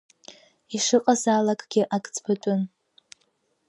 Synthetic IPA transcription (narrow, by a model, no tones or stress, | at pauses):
iʂɨqʼazalakʼɡ̥ʲɪʔakʼt͡sʼbatʷʼʊn